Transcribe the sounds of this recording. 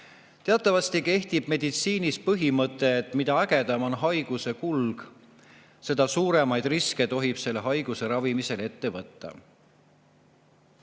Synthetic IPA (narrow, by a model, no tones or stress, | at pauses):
t̪eɑt̪ˑːɑvɑst̪ike̞ht̪ib̥me̞d̪it̪siːnispɤɦimɤt̪ːˑe̞ːt̪ːˑmid̪ɑæɡe̞d̪̥ɑmo̞nɦɑjɡ̥use̞kulɡ̥ | se̞d̪̥ɑsuːɾe̞mɑjd̪̥riske̞t̪o̞ɦib̥se̞lːeɦɑjɡ̥use̞ɾɑvimise̞le̞t̪ːe̞vɤt̪ːɑ̰